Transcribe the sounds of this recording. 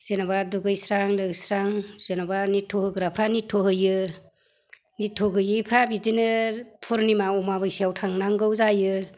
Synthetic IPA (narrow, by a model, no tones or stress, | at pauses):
z̥enabaduɡɯjsɾaŋlɯɡsɾaŋz̥enabanitʰɔhɯɡɯɾapʰɾanitʰɔɦɯjɯ | nitʰːɔɡɯjɯjpʰɾabidinɯpʰuɾnimaɔmabɯjsijawtʰaŋnaŋɡɯwzajɯ